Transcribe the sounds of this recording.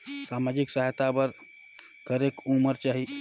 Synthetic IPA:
samad͡ʒiksaɦt̪abəɾ | kəɾekuməɾt͡ʃaɦi

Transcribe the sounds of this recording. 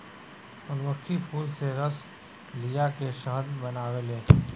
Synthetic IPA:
ʊnməkʃʰipʰuːlseɾəs | lijakeʃəɦəd̪bɐnaːwelẽː

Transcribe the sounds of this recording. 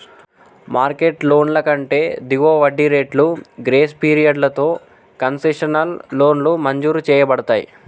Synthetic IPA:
maːɾkeʈlo̞ːnlɐkɐɳʈe̞ːd̪iʋoːʋɐɖːiɾe̞ːʈluɡɾeːspiːɾijɐɖlɐt̪o̞ː | kɐnseʂɐnɐlːo̞ːnlumɐɲd͡ʒuːɾut͡ʃɛːjɐbɐɽɐt̪aːjḭ

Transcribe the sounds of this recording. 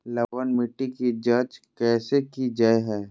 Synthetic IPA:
lɐʋənmɪʈːikid͡ʒɐɾt͡ʃkɛːsekid͡ʒaeɦɛː

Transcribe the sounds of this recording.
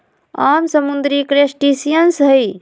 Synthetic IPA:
amsəmund̪ɾikɾesʈisijənsɦəj

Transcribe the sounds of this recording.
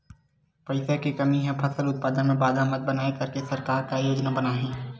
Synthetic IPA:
pɐɪsekekɐmiɦẽpʰɐsəlʊt̪̚paːd̪ənmẽbaːd̪amɐt̪̚bɐnaːekɐɾkesɐɾkaːɾkajoːd͡ʒnabɐnaːɦẽː

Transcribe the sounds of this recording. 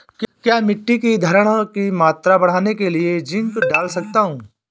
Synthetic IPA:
kkjaːmɪʈːikid̪ʱɐɾəɽ̃kimaːt̪ɾabɐɽ̤aːnekelied͡ʒɪ̃ŋkɖaːlsɐk̚t̪aɦũː

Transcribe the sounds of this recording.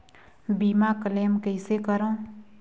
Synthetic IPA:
biːmakəleːmkəɪsekəɾõ

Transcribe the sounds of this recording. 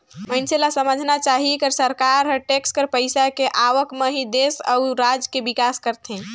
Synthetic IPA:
mənselasəməd͡ʒʱnat͡ʃaːɦikəɾsəɾkaɾɦəʈekskəɾpəɪsakeʔaʋəkmə̃ɦid̪esəʊɾad͡ʒkebɪkaskəɾt̪ʰẽ

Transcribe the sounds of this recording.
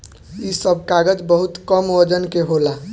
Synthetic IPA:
isəbʱkaɡəd͡ʒbəɦut̪kəmod͡ʒənkeɦola

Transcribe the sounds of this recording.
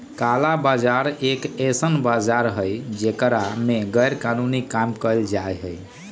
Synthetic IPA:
kalabad͡ʒaɾekesənbad͡ʒaɾɦəjd͡ʒekɾameɡəjɾkanunikamkəld͡ʒajɦəj

